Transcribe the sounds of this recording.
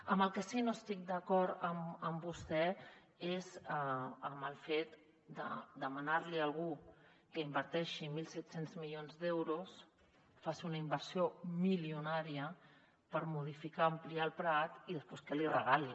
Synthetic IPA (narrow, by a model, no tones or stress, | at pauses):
əmbəlˠkəsinoəst̪ik̚d̪əkɔɾəməmbust̪ɛ | ezəəməlˠfet̪ | d̪ə̰d̪əmənaɾliəlˠɣ̞u | kəimbəɾt̪ɛʃimilˠsɛt̪senzmiʎonzd̪ɛwɾus | fasunəimbəɾsiomiliunaɾiə | pəɾmuð̞ifikaəmpliaəlˠpɾat̪iðəsposkɛlirəɣali